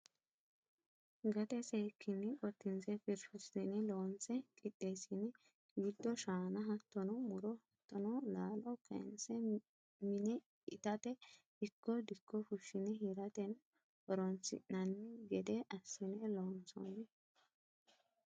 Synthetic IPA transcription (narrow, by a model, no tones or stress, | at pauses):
ɡɐt̪ɛsejkʰːɪnːɪkʼɔt̪ːɪnsɛfɪɾfʊsɪnɪloːnt͡sɛkʼɪt̪ːeːsɪnɪ | jɪd̪ːɔʃaːnɐɦɐt̪ːɔnɔmʊɾɔhɐt̪ːɔnɔlaːlɔkʰɐ̰nsɛ | mɪnɛ | ɪt̪ɐt̪ɛ | ɪkːɔd̪ɪkʰːɔfʊʃːɪnɪɦɪɾɐt̪ɛn | ʔɔɾɔnt͡sɪ̰ʔnɐnːɪɡɛd̪ɛʔɐsːɪnɛloːnsɔ̰nːɛ